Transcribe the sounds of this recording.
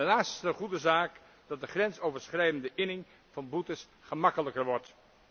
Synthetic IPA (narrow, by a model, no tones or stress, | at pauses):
ənaːstəχudəzaːk | d̥ɑt̚dəχrɛnsowvəɹsχrɛjdəndəʔɪnɪŋ | v̥ɑnbutəs | χəmɑkələkəɹʋɔɹt